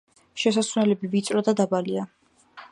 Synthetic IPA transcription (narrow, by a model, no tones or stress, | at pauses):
ʃɛsaswnɛlɛbivit̪sʼɾɔd̪ad̪abalia